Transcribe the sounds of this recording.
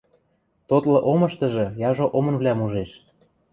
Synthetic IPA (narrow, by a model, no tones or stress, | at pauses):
t̪ot̪lɤ̆ʔomɤ̆ʃt̪ɤ̆ʒɤ̆jɑʒoʔomɤ̆nβlʲæmuʒeʃ